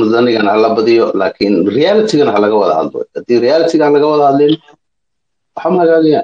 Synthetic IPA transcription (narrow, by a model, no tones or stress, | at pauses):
mʊd̪ɐnɪɣɐnhalɐbɐðɪjɔlaːkʰɪnrijaːlɪt̪ʰɪɣɐnɐɦalɐɣɐwɐðɐ̰hɐ̰d̪lɔ̰hɐd̪iːrɪjaːlɪt̪ʰɪɣalɐɣɐwɐðɐhɐd̪lɛn | wħaːmɐɐɣaːɣɐjaː